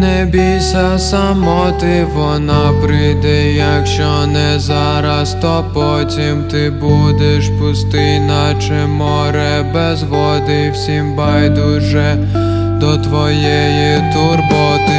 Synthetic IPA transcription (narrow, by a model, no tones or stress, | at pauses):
nɛbʲisʲɐsamɔt̪ɪʋɔnapɾɪd̪ɛjɐkʃt͡ʃɔnɛza | ɾɐst̪ɔpɔ | tʲimt̪ɪbud̪ɛʃpʊst̪ɪjnɐt͡ʃɪmɔɾɛ | bɛzʋɔd̪ɪwsʲimbajd̪ʊʒɛ | d̪ɔt̪ʋɔjɛjit̪ʊrbɔt̪ɪ